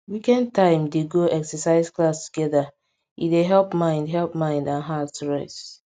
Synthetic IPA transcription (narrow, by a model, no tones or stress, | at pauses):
wikɛ̃ntãɪ̃mdeɡoɛksəsaɪzklastu̥ɡɛða | ḭdeɦɛlpmãɪ̃ndɦɛlpmãɪ̃ndãnɦatsɹɛs